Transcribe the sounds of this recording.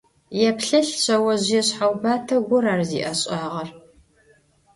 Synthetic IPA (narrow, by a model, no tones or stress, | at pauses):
jɛpɬɐɬɕʰʼɐwɐʑjɛɕħawbaːtʰɐɡʷʊɾaːrzḭːʔɐɕʼɑːʁɐr